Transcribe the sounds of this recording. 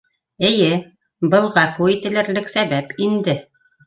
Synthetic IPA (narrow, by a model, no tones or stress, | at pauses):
ɘ̆jɘ | bɤ̆lˠʁɑquit̪ɘ̆lɘ̆ɾlɘksæβæpind̪ɘ